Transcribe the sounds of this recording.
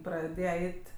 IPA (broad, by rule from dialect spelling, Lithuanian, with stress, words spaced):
prɐˈdʲeːjɛ ˈɛɪtʲ